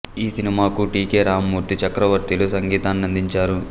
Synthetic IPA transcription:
iːsinimaːkuʈiːkeːɾaːmːuːɾt̪it͡ʃɐkɾɐʋɐɾt̪ilusɐŋɡiːt̪aːnɐnd̪iɲt͡ʃaːɾu

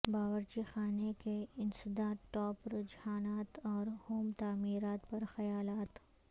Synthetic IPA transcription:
baːʋəɾd͡ʒixaːnekeɪnsɪd̪aːʈɔːpɾɪd͡ʒhaːnaːt̪ɔːɾhoːmt̪aːmiːɾaːt̪pɐɾxɐjaːlaːt̪

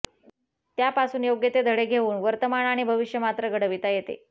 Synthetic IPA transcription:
t̪japasuːnjoɡjet̪ed̪ʱəɭeɡʱeuːnʋəɾt̪əmaɳaɽ̃ibʱəʋiʂjəmat̪ɾəɡəɽəʋit̪ajet̪ḛ

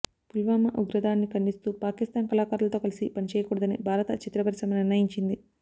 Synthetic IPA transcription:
pulʋaːmɐʔuɡɾɐd̪aːnːikɐɳɖist̪uːpaːkist̪aːnkɐlaːkaːɾulɐt̪o̞ːkɐlisipɐnit͡ʃɛːjɐkuːɽɐd̪ɐnibʱaːɾɐt̪ɐt͡ʃit̪ɾɐbɐɾsɐmniɾnɐjiɲt͡ʃind̪i

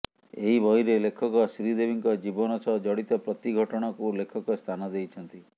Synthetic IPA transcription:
eɦibɔɦiɾelekʰɔkɔsɾid̪ebiŋkɔd͡ʒibɔnɔt͡ʃʰɔd͡ʒɔɽit̪ɔpɾɔt̪iɡʱɔʈɔɽ̃ɔkulekʰɔkɔst̪ʰanɔd̪ejt͡ʃʰɔnt̪i

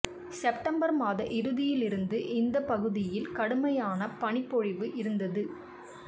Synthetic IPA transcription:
sɛpʈɐmbɐɾmaːðɐʔɪɾɯðɪjɪlɪɾɯnd̪ɯʔɪnd̪ɐpɐɣɯðɪjɪlkɐɽɯmɐjaːnɐpɐɳɪpːɔɻɪʋɯʔɪɾɯnd̪ɐðɯ

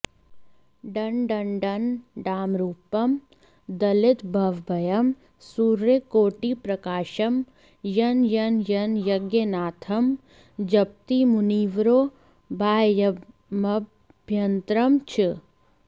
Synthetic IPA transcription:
ɖɐnɖɐnɖɐnɖaːmɾuːpɐm | d̪ɐlɪt̪bʱɐʋbʱɐjɐm | suːɾɐkoːʈipɾɐkaːʃɐm | jɐnjɐnjɐnjɐɡjɐnaːt̪ʰɐm | d͡ʒɐp̚t̪imuniːʋɾoː | bʱaːjjɐ | mɐbʱ | jɐnt̪ɾɐmt͡ʃʰɪ

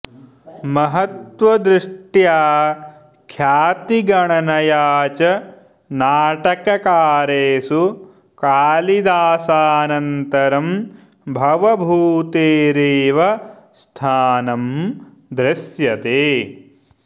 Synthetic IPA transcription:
mɐɦɐt̪ʋɐd̪ɾɪʂʈjaː | kʰjaːt̪iɡɐɳɐnɐjaːt͡ʃɐ | naːʈɐkɐkaːɾeːsu | kaːlid̪aːsaːnɐnt̪ɐɾɐm | bʱɐʋɐbʱuːt̪eːɾeːʋɐst̪ʰaːnɐm | d̪ɾɪsjɐt̪eː

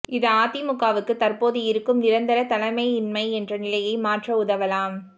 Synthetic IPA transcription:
ɪðɯaːt̪imʊkːaːʋɯkːɯt̪ɐrpoːðɯɪɾɯkːɯmnɪɾɐnd̪ɐlɐt̪ɐlɐmɐɪɪnmɐɪɛndrɐnɪlɐjɐɪmaːʈrɐʊðɐʋɐlaːm

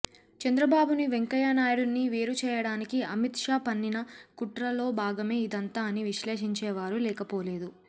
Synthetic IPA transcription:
t͡ʃɐnd̪ɾɐbaːbuniʋeŋkɐjanaːjɽunːiʋeːɾut͡ʃɛːjɐɽaːnikiɐmit̪ʂaːpɐnːinɐkuʈɾɐlo̞ːbʱaːɡɐme̞ːid̪ɐnt̪aːɐniʋiʃleːʂiɲt͡ʃɛːʋaːɾulɛːkɐpo̞ːle̞ːd̪u

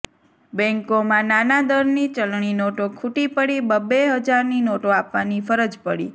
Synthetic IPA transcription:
bɛ̃ŋkomãnanad̪əɾnit͡ʃəlɳinoʈokʰuʈipəɽibəbeɦəd͡ʒaɾninoʈoapʋanifəɾəd͡ʒpəɽḭ

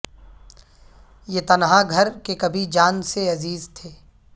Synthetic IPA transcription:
jet̪ɐnɦãɡʱɐɾkekɐbʱid͡ʒaːnseɐziːzt̪ʰeː

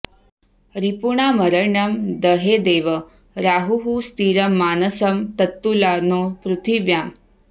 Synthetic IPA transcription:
ɾipuɳaməɾəɾɳəmd̪əɦed̪eːʋə | ɾaɦuɦust̪iːɾəmːaːnəsəmt̪ət̪ːulanopɾut̪ʰiʋjam

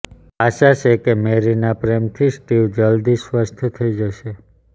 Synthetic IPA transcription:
aʃaʃekemeɾinapɾemt̪ʰisʈiʋd͡ʒəld̪isʋəst̪ʰət̪ʰəid͡ʒəʃe

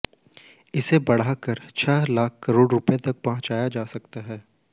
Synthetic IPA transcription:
ɪsebɐɽ̤akəɾt͡ʃʰɛːlaːk̚ʰkɐɾoːɽɾʊpet̪ɐk̚pɐɦʊ̃t͡ʃaːjad͡ʒaːsɐkt̪aɦɛː

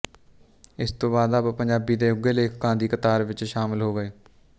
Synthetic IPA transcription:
ɪst̪õːbaːd̪appəɲd͡ʒaːbiːd̪eːʊɡeːleːkkãːnd̪iːkət̪aːɾʋɪt͡ʃʃaːmɪlɦoːɡəeː

